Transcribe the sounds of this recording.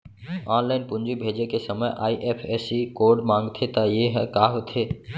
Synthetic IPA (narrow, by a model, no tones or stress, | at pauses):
anlaːɪnpund͡ʒibʱed͡ʒekesəməjʔa̰ːiʔepʰesikoɖmãŋɡt̪ʰet̪əjeɦɛkaɦot̪ʰe